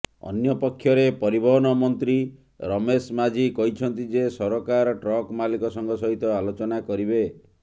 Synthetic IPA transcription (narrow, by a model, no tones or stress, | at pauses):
ɔ̰njɔpɔkʰːjɔɾepɔɾibɔɦɔnɔmɔnt̪ɾi | ɾɔmesmad͡ʒikɔɦit͡ʃʰɔnt̪id͡ʒesɔɾɔkaɾɔʈɾɔkmalikɔsɔŋɡɔsɔɦit̪ɔalot͡ʃɔnakɔɾibe